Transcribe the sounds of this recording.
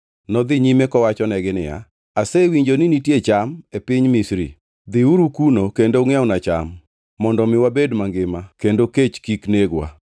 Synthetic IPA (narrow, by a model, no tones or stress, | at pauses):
nɔd̪ɪɲimekɔwat͡ʃɔnɛɡɪnɪja̰ | asewiɲd͡ʒonɪnitjet͡ʃamepɪɲmisɾḭ | d̪ɪuɾukunokendoŋjawnat͡ʃa̰mː | ɔndɔmɪwabedmaŋɡɪmakendoket͡ʃkikneɡwa̰